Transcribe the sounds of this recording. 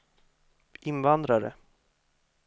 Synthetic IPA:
ɪnvand̪ɾaɾə̰

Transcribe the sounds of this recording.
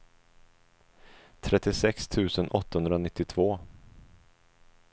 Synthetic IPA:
t̪ʰɾɛt̪ːɪsɛkst̪ʰʉ̟ːsənʔɔt̪ːahɵnd̪ɾanɪt̪ːɪt̪ʰv̥oː

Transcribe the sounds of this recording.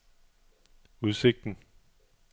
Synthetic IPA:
uð̞ˠse̝ɡ̥̚d̥n̩

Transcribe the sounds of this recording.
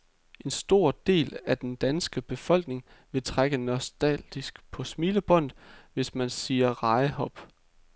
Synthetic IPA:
e̝nsd̥o̝ɐ̰d̥e̝̰ːlæd̥end̥ænsɡ̥əb̥e̝fɒ̽l̰ɡ̥ne̝ŋ | ʋe̝t͡sʰʁaɡ̥ənɒsd̥æld̥isɡ̥pʰɒ̽smiːləb̥ɔ̽n̰d̥ʋe̝smænsiːɐʁɑ̈ɪəhɒ̽b̥

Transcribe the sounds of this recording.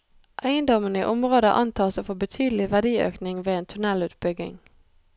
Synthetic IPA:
ʔæɪənd̪ɔmənḭːʔʊmʁoːd̪ə̰ʔɑnt̪ʰɑːsoːfobət̪ʰyːd̪l̩ɪʋæʁd̪iːø̰ːknɪŋʋeːeːnt̪ʰʉnɛlʉːt̪bʏɡɪ̰ŋ

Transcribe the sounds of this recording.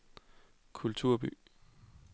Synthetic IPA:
kʰult͡sʰuɐ̰b̥y̰

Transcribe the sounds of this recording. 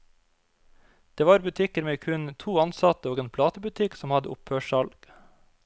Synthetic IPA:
d̪̥eːʋɑːɾbʉt̪ʰɪkəɾmeːkʰʉnt̪ʰuːɑnsɑt̪əoːɡeːnpʰlɑːt̪əbʉt̪ʰɪksɔmhɑd̪ə̰ʔʊphøːʃɑlɡ̥

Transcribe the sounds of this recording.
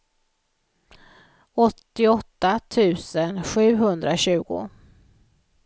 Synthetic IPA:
ɔt̪ːɪɔt̪ːat̪ʰʉ̟ːsənɧʉ̟ːɦɵnd̪ɾaɕʉ̟ːɡʊ̰

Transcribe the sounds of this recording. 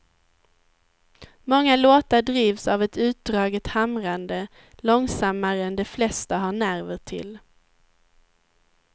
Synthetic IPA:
mɔŋːaloːt̪aɖɾiːvsavɛt̪ʉ̟ːt̪̚d̪ɾɑːɡət̪hamɾand̪ə | lɔŋsamːaɾəɛnd̪ɛflɛst̪aɦaɳæɾvəʈʰɪ̰l

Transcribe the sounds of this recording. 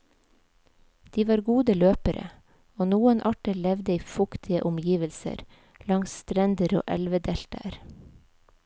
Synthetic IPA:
d̪̥iːʋɑːɾɡuːd̪əløːpəɾʔə̰ | oːnuːənʔɑʈəlɛʋd̪əiːfʊkt̪ʰɪə̰ʔʊmjiːʋəlsə̰ɾ | lɑŋst̪ɾɛnd̪əɾo̰ːʔɛlʋəd̪ɛlt̪ə̰ɾ

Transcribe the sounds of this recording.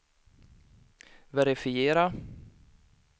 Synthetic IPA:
vɛɾɪfɪjeːɾa

